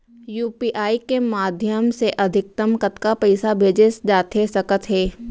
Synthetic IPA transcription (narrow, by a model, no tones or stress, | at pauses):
juːpiːʔaːikemaːd̪ʱjəmseʔɐd̪ʱɪk̚t̪əmkət̪kapɛɪsabʱeːd͡ʒesd͡ʒaːt̪esɐkət̪ɦɛː